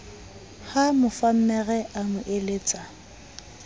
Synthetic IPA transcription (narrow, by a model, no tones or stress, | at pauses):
hamʊfam̩mɛɣɛʔamʊʔeleːt͡sʼa